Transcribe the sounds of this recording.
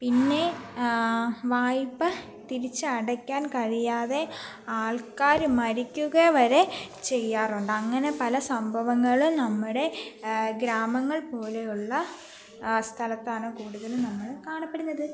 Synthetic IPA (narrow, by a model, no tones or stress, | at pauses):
pinːe̞ | ʋaːjpːɐ | t̪iɾit͡ɕːɨɐɽɐkʲːaːnkɐɻijaːðe̞ | aːɭkaːɾmɐɾikʲːuɣɐʋɐɾe̞t͡ɕe̞jːaːruɳɖɐŋːɐne̞pɐlɐsɐmbʱɐʋɐŋːɐɭumnɐmːuɽe̞ɡɾaːmɐŋːɐɭpo̞ːle̞juɭːɐ | st̪ʰɐlɐt̪ːaːɳoːkuːɽuðɐlumnɐmːɐɭkaːɳɐpːeɽunːɐðɨ